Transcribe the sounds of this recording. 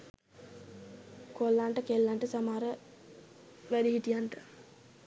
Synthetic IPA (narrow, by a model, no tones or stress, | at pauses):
kolːaɳʈəkelːaɳʈəsamaːɾə | ʋædiɦiʈijaɳʈə̥